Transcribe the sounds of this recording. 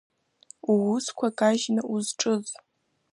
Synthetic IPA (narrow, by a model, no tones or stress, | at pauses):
uwʊskʷʰɐkʼaʒnɨʔuzʈ͡ʂʼɨz